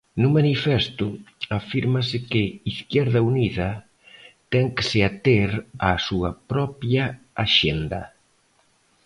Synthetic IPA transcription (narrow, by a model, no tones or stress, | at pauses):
nʊmanifɛst̪ʊafiɾmɐsɪkɪiθkjɛɾðɐuniðɐ | t̪ɛŋkɪ̥sɪat̪eɾasuɐpɾɔpjɐ | aʃend̪ɐ̰